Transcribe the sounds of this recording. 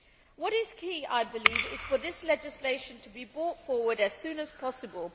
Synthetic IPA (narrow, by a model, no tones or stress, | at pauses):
wʌɾɪz̥kʰiːa̰ɪbɪliːvɪz̥fə˞ðɪslɛd͡ʒɪsleɪʃə̃ntʰəbibɹɔˑtfɔːwəɾɨz̥sʉ̃ːnəz̥pʰɒsəbəlˠ